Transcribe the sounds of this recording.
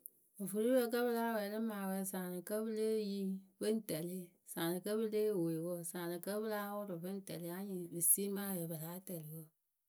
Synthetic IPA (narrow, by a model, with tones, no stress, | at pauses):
ɨ˨fu˨ɾi˦wə˦k̬ə˦βɨ˦la˦wɛ˨lɨ˦maː˨wɛ˨sa˨nɨ˨kə˦bɨ˦le˦ji˦bɨ˦n˦tə˨li˦ | sa˨nɨ˨kə˦bɨ˦le˦˨we˨wɔ˦sa˨nɨ˨kə˦bɨ˦la˦wʊ˦ɾʊ˨bɨ˦n˦tə˨li˦a˦ɲi˨bɨ˨si˦ma˦wɛ˨bɨ˨la˨˦tə˨li˨wɔ˦˨